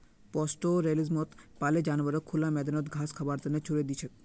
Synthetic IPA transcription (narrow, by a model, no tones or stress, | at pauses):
pɔsʈoɾelizmot̪paled͡ʑanbaɾokʰulamɛd̪enot̪ɡʱaskʰabaɾt̪enet͡ɕʰuɾed̪it͡ɕʰe